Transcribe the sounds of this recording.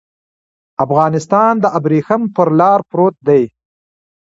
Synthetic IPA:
afɣɑːnɪst̪ɑːnd̪əʔabɾiːxampəɾlɑːɾpɾoːt̪̚d̪aj

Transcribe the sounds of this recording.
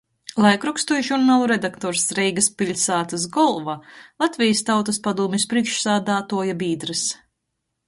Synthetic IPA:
lˠajkɾukst̪ujʒuɾnaːlˠuɾed̪akt̪ɔːɾsɾɛjɡaspʲilʲsaːt̪asɡɔlˠvalˠat̪vʲijəst̪awt̪aspad̪uɔmʲispɾiɛkʃsaːd̪aːt̪uɔjabiːd̪ɾɨs

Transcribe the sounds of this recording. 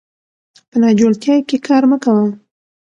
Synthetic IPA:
pənɑd͡ʒolt̪jɑjkekʰɑɾməkawəm

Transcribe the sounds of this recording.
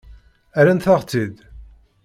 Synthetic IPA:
æɾænθaʁt͡sːid̪

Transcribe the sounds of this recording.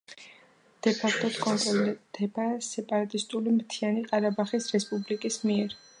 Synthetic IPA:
d̪̥ɛpʰak̚t̪ʰʼɔt̪kʼɔnt̪ʼɾɔld̪ɛbasɛpʼaɾat̪ʼist̪ʼulimt̪ʰianiqʼaɾabaχisɾɛspʼublikʼismiɛɾ

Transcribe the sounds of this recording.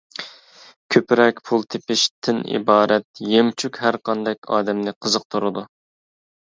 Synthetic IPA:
kʲʰøpɾɛkʲpʰulˠt̪ʰepɪʃt̪ʰɪnḭbɑːɾɛt̪̚jemt͡ʃʰykʲhæɾqɑnd̪ɛkʲɑ̰ːd̪ɛmnɪqʰəzəq̚t̪ʰuɾɨd̪u

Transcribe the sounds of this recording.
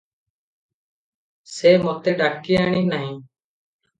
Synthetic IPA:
seːmɔt̪eɖakijaɽ̃iːnaɦĩː

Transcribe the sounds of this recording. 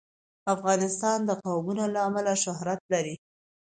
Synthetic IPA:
afɣɑnɪst̪ɑnd̪əqawmunolaːmalaʃʊɦɾat̪̚laɾi

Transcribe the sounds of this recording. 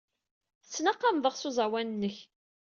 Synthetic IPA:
əsːnɑqːɑmðˤəʁsuzˤæwænnːəç

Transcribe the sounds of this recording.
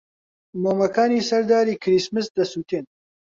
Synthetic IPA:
moːmɐkʰaːniːsɐɾd̪aːɾiːkʰɾismɨsd̪ɐsuːt̪ʰeːn

